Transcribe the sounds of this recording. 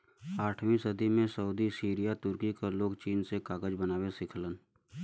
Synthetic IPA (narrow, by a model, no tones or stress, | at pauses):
aːʈʰwĩsəd̪imẽsəuːd̪isiːɾijat̪ʊɾkikaloːɡt͡ʃiːnsekaːɡəd͡ʒbənaːwesɪkʰlən